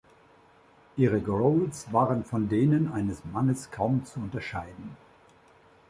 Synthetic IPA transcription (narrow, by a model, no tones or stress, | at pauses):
ʔiːʁəɡʁoʊlsv̥aːʁənfɔndeːnənʔaɪnəsmanəskʰaʊmt͡suʊntɐʃaɪdn̩